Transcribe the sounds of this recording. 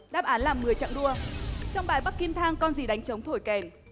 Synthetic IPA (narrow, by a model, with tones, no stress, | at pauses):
ɗaː˦˥p̚ʔaː˨˦nlaː˨˩mːɨ˨˩əjt͡ɕa̰˧˨ŋɗu˧ət͡ɕɔ˧wŋ͡mɓaː˨˩jɓa˦˥k̚ki˧mt̪ʰaː˧ŋkɔ˧nzi˨˩ɗa˨˦jŋ̟t͡ɕə˨˦wŋ͡mt̪ʰo˧˩jkɛ˨˩n